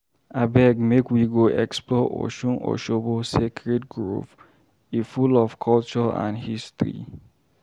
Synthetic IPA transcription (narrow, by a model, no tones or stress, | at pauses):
abɛɡmekwiɡoʔɛ̰ksplɔʔo̰ʃũnʔo̰ʃobosekʰɹɛtɡɹo̰f | ifulɔfkʰɔlt͡ʃɔã̰nhistɹḭ